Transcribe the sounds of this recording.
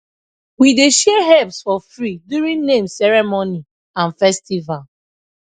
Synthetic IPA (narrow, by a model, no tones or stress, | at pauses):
wideʃɛɦɛpsfɔfɹidjuɹĩnnẽmsɛɹɛmoni | ãnfɛstival